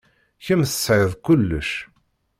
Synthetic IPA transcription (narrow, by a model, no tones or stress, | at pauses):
çəmθə̥sʕəðkʊlːə̰ʃ